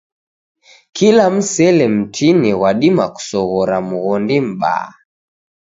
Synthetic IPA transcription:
kilam̩sɛlɛm̩tʰinɛɣwaɗimaku̥sɔɣɔɾamuɣɔndim̩ɓa̰ː

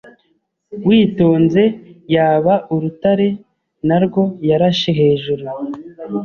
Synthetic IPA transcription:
wiːto̞ːnze̞jaːβaʔuɾutaɾe̞ | naɾɡo̞jaɾaʃeɦe̞ːʒuɾu

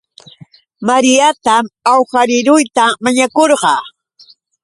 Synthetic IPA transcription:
maɾɪjat̪amawxaɾɪɾʊjt̪amaɲakoɾɢɑ

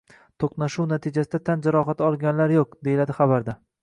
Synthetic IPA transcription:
t̪ʰoqnaʃuwnat̪ʰɪd͡ʒasɪd̪at̪ʰand͡ʒaɾɒχat̪ɒlˠɡʲanlaɾjoq̚d̪e̞jɪlad̪ɪχɑbaɾd̪a

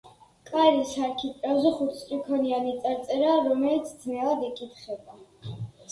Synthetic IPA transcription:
kʼaɾisaɾkʰit̪ʼɾavzɛχut̪sʼɾikʰɔnianit̪sʼaɾt̪sʼɛɾaːɾɔmɛlit̪sʰd̪znɛlˠad̪ɛkʼit̪ʰχɛba

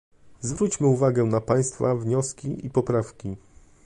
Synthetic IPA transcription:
zvɾut͡ɕmɘuvaɡɛnapaj̃st̪favɲɔskʲiʔipɔpɾafkʲi

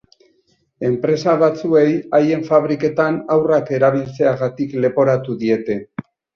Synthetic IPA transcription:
e̞mpɾe̞saβat͡sue̞jaje̞ɱfaβ̞ɾike̞t̪anawrake̞ɾaβ̞ilt͡seaɣat̪ikle̞po̞ɾat̪uðie̞t̪e̞

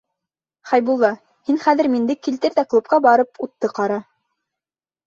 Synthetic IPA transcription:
χɑjbulˠːɑ | hinχæðɘ̆ɾmind̪ɘkːilt̪ɘɾðæklˠup̚qɑbɑɾɤpʰut̪ːɤqɑɾɑ

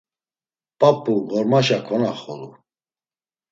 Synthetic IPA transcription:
pʼapʼːuɣɔɾmaʃakʰɔnaχɔlu

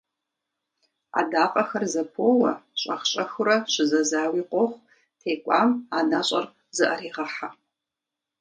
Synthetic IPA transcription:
a̰daːqʼɐxɐrzɐpʰowɐɕʼɐχɕʼɐxʊrɐʃʷɨzɐzaːwiqʷʼoχʷ | tʰeːkʷʼamanaɕʷʼɐr | zɨʔɐɾiːʁɐħa

